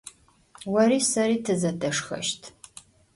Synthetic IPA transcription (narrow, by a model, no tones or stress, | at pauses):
wɐɾiːsɐɾiːtʰɨzɐdʰɐʂxɐ̰ʃtʰ